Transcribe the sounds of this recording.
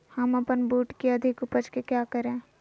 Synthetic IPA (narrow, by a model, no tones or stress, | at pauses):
hɐmɐpənbuːʈkiɐd̪ʱɪkʊpəd͡ʒkekjaːkəɾẽː